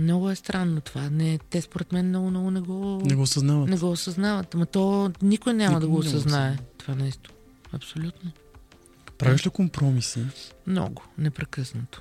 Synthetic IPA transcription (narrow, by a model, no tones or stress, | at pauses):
mnɔɡʊɛst̪ɾanːot̪ovanɛt̪ɛspoɾɛt̪mɛnmnɔɡʊmnɔɡʊnɛɡɔnɛɡɔsɐznavət̪nɛɡɔosɐznavət̪mɐt̪ɔnikojnʲjamɐd̪ɐɡoːsɐznaɛt̪ovanɛst̪o̥ | ɐpsolʲut̪no | pɾavʲiʃlikompɾɔmisimnɔ̰ɡʊnɛpɾɛkəsnət̪o̥